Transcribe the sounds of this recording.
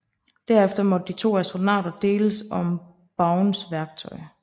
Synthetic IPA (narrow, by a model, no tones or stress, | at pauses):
d̥æɐefd̥ɐmɒ̽d̥d̥it͡sʰo̝̰ːæsd̥ʁo̝nɑ̰̈ːd̥ɐd̥e̝̰ːləsɒ̽m | b̥ɑ̈ʊnsʋæɐɡ̥̚t͡sʰɒ̽ɪ